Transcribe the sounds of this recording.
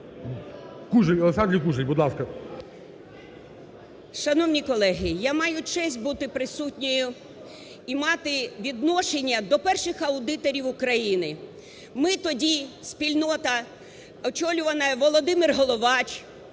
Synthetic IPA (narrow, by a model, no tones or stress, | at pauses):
kuʒeɔlˠesɑnd̪ɾʲijkuʒejʲbud̪lˠɑskɐ | ʃɐnɔwnʲikɔlˠɛɦɪjamɑjʊt͡ʃɛsʲt̚ʲbut̪ɪpɾɪsutʲnʲɔjʊ | imɑt̪ɪʋʲid̪nɔʃenʲːɐd̪ɔpɛrʃɪxɐʊd̪ɪt̪ɔɾʲiwʊkɾɐjinɪ | mɪt̪ɔdʲisʲpʲilʲnɔt̪ɐ | ɔt͡ʃɔlʲʊʋɐnɐjɛʋɔlˠɔd̪ɪmɪrɦɔlˠɔʋɑt͡ʃ